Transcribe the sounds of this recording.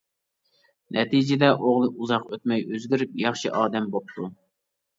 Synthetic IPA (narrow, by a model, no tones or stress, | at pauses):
nʔɛt̪id͡ʒɪd̪ɛʔoʁlˠɨʔuzɑqøt̪mɛjøzɡʲyɾyp̚jɑχʃiʔɑːd̪ɛmbop̚t̪ʰu